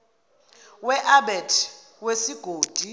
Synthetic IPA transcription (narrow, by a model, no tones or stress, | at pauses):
wɛʔaɓɛtʰ | wesiɡ̥ʱoːd̥ʱi